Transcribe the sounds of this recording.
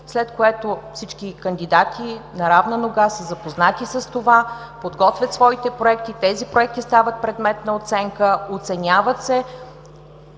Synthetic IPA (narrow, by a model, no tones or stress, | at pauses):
slɛt̪koɛt̪ofsit͡ʃkikənd̪id̪at̪ʰinɐɾavnənoɡasəzɐpoznat̪isəst̪ova | pod̪ɡɔt̪vʲət̪svɔit̪ɛpɾoɛkt̪it̪ɛzipɾoɛk̚t̪ist̪avət̪̚pɾɛd̪mɛt̪nɐot̪sɛŋkəot̪sɛnʲavət̪sɛ